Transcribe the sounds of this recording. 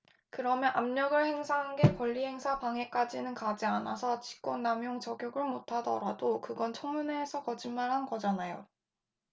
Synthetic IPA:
kɯɾʌmjʌnʔamɲʌɡɯɭhe̞ŋsʰaɦanɡe̞kʌʎːihe̞ŋsʰapaŋe̞k͈ad͡ʑinɯnkad͡ʑianasʰʌt͡ɕi̥k͈wʌnːamjoŋt͡ɕʌɡjoɡɯɭmotʰadʌ̰ɾadokɯɡʌnt͡ɕʰoŋmuneːsʰʌkʌd͡ʑinmaɭɦanɡʌd͡ʑanajo

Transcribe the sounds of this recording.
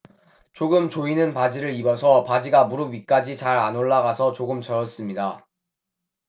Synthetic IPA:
t͡ɕoɡɯmt͡ɕoinɯnpad͡ʑiɾɯɾibʌsʰʌpad͡ʑiɡamuɾɯwɥik͈ad͡ʑit͡ɕaɾanoɭːaɡasʰʌt͡ɕoɡɯmt͡ɕʌjʌs͈ɯmɲida

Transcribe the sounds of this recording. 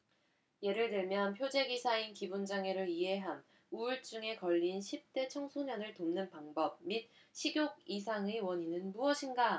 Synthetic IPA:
je̞ɾɯɭdɯɭmjʌnpʰjod͡ʑe̞ɡisʰainkibund͡ʑaŋe̞ɾɯɭiɦe̞ɦan | uɭt͡ɕ͈uŋe̞kʌʎːinɕʰip̚t͈e̞t͡ɕʰʌŋsʰuɲʌnɯɭtomnɯnpaŋbʌb̚mit̚ | ɕʰiɡjoɡ̚is̬ʰaŋewʌɲinɯnmuʌɕʰinɡa

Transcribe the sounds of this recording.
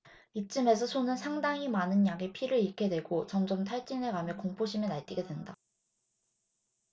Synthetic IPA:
it͡ɕ͈ɯme̞s̬ʰʌsʰonɯnsʰaŋdaŋimanɯnjaɡe̞pʰiɾɯɭikʰe̞dwe̞ɡot͡ɕʌmd͡ʑʌmtʰaɭt͡ɕ͈inɦe̞ɡamjʌkoŋpʰoɕʰimjʌnaɭt͈iɡe̞dwenda

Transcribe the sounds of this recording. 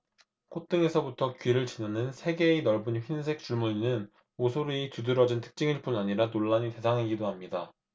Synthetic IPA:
kʰot͈ɯŋe̞sʰʌbutʰʌkɥiɾɯɭt͡ɕinanɯnsʰe̞ɡe̞inʌɭbunɸinsʰe̞k̚t͡ɕ͈uɭmunnɯn | osʰoɾitudɯɾʌd͡ʑintʰɯ̥k̚t͡ɕ͈ɯŋiɭp͈unaɲiɾanoɭːaɲite̞sʰaŋɦeɡidoɦamɲida

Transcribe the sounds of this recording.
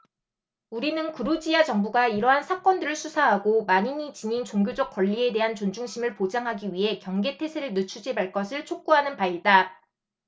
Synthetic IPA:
uɾinɯnkɯɾud͡ʑiat͡ɕʌŋbuɡaiɾʌɦansʰak͈wʌndɯɾɯɭsʰusʰaɦaɡomaɲiɲit͡ɕiɲint͡ɕoŋɡjod͡ʑʌk̚k͈wʌʎːie̞de̞ɦant͡ɕond͡ʑuŋɕʰimɯɭpod͡ʑaŋɦaɡiɥiɦe̞kjʌŋɡe̞tʰe̞sʰeɾɯɭnɯt͡ɕʰud͡ʑibaɭk͈ʌsʰɯɭt͡ɕʰok̚k͈uɦanɯnpaida

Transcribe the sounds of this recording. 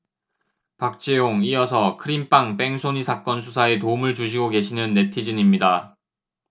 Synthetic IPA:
pak̚t͡ɕ͈ejoŋiʌsʰʌkʰɯɾimp͈aŋp͈e̞ŋsʰoɲisʰak͈ʌnsʰusʰae̞toumɯɭt͡ɕuɕ̬ʰiɡoke̞ɕʰinɯnːe̞tʰid͡ʑiɲimɲida

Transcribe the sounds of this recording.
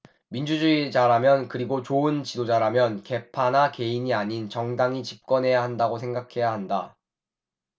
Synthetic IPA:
mind͡ʑud͡ʑuid͡ʑaɾamjʌnkɯɾiɡot͡ɕoɯnt͡ɕidod͡ʑaɾamjʌnke̞pʰanake̞iɲiaɲint͡ɕʌŋdaŋit͡ɕip̚k͈ʌnɦe̞jaɦandaɡosʰe̞ŋɡakʰe̞jaɦanda

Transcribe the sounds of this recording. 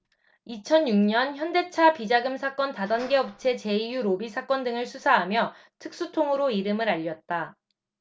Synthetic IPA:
it͡ɕʰʌnjuŋɲʌnçjʌnde̞t͡ɕʰapid͡ʑaɡɯmsʰak͈ʌntadʌnɡe̞ʌp̚t͡ɕʰe̞t͡ɕe̞ijuɾobisʰak͈ʌndɯŋɯɭsʰusʰaɦamjʌ | tʰɯk̚s͈utʰoŋɯɾoiɾɯmɯɾaʎːʌt̚t͈a

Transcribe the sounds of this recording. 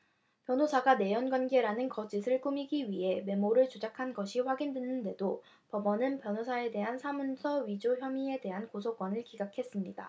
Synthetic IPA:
pjʌnɦosʰaɡane̞jʌnɡwanɡe̞ɾanɯnkʌd͡ʑisʰɯɭk͈umiɡiɥiɦe̞me̞moɾɯɭt͡ɕod͡ʑakʰanɡʌɕʰiɸwaɡindenːɯnde̞do | pʌbʌnɯnpjʌnɦosʰae̞de̞ɦansʰamunsʰʌɥid͡ʑoçjʌmie̞de̞ɦankosʰok͈wʌnɯɭkiɡakʰe̞s͈ɯmɲida̰

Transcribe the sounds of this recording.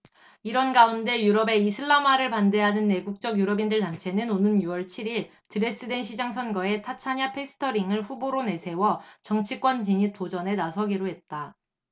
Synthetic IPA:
iɾʌnɡaunde̞juɾʌbe̞isʰɯɭːamaɾɯɭpande̞ɦanɯnːe̞ɡuk̚t͡ɕ͈ʌɡjuɾʌbindɯɭtant͡ɕʰe̞nɯnonɯnjuwʌɭt͡ɕʰiɾiɭ | tɯɾe̞s͈ɯde̞nɕʰid͡ʑaŋs̬ʰʌnɡʌe̞tʰat͡ɕʰaɲapʰe̞sʰɯ̥tʰʌɾiŋɯɭɸuboɾone̞sʰe̞wʌt͡ɕʌŋt͡ɕʰik͈wʌnt͡ɕiɲitʰod͡ʑʌne̞nasʰʌɡiɾoɦe̞t̚t͈a

